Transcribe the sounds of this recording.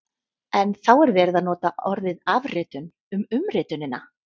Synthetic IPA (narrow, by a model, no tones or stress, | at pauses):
ɛnθawɛɾvɛːɾɪðaðnɔːt̪aʔɔɾvɪðavrɪːt̪ʏn | ʏmʏmrɪːt̪ʏnɪna